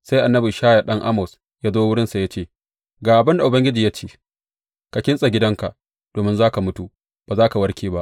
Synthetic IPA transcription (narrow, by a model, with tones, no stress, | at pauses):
sa˦jʔa˨nːɐ˦bɪ˨ʃaː˦ja˨ɗɐ˦ŋʔa˦mɔ˨s | jaː˦zoː˦wʊ˦ɽɪ˦nsa˨ja˦t͡ʃeː˦˨ | ɡaː˨ʔa˨bɪ˦nda˨ʔʊ˨bɐ˦ŋɡʲɪ˦d͡ʒiː˨ja˦t͡ʃeː˦ | ka˨kʲɪ˦nsʼa˨ɡʲɪ˦dɐ˦ŋka˨ʔ | d̥oː˨mɪ˦nzaː˦ka˨mʊ˦tu˨ | b̥aː˨zaː˦ka˨wɐ˦ɽkʲiː˦ba˦ʔ